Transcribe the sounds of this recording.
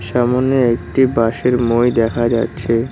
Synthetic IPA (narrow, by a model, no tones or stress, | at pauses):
ʃamoneek̚ʈibaʃeɾmojd̪ɛkʰad͡ʑatːɕʰe